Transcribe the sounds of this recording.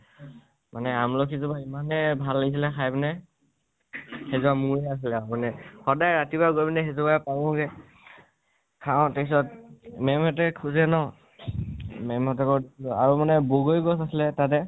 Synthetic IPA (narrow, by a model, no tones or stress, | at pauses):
manɛamlɔkʰizɔbaimanɛbʱalːaɡis̬ilɛkʰajbnɛ | hezɔbamuɹɛas̬ilɛamanɛxɔdajɹatibaɡojbɛnɛxezubapaɹɔ̃ɡɛ | kʰaw̃tekʰsɔtmɛmɔt̬ɛkʰuzɛnɔ | mɛmɔtɔkɔɹdisilɔa̰ɹumanɛboɡojɡɔsasilɛtat̬ɛ